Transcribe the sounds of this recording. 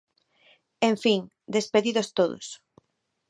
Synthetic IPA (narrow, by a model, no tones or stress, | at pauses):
eɱfiŋ | d̪espeðiðost̪oðo̰s